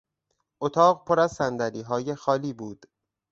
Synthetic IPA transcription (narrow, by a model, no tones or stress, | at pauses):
ʔot̪ʰɒːɢpʰoɾæzsænd̪æɾiːɦɒːjexɒːliːbuːd̪̥